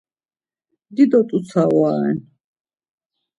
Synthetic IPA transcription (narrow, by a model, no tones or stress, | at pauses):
d̪id̪ɔt̪ʼut̪sʰawaɛn